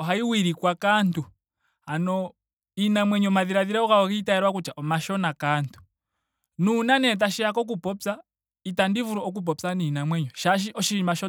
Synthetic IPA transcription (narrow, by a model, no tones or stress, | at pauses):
ɔɦaiwiɾikwakantu | hanɔ | inamwɛɲɔmaðiɾaðiɾaɔkaɔkitaɛɾwak̬ut͡ʃaʔɔmaʃɔnakantu̥ | nunanɛt̬aʃɛjakɔk̬upɔpsa | itandivuɾɔɔk̬up̬ɔpsaniːnamwɛɲɔʃaʃ̬iʔɔʃimaʃɔ